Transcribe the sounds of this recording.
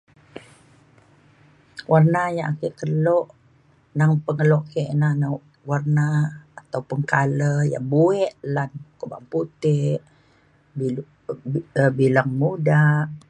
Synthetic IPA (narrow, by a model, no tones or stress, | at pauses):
wʔarnajaŋakeʔkəlɔʔ | naŋpəŋəlɔʔkeʔnana | warnaːt̪aupəŋkaləja̰ŋbuɛʔlankəba̰ŋput̪ɪʔ | bilaŋmudaʔ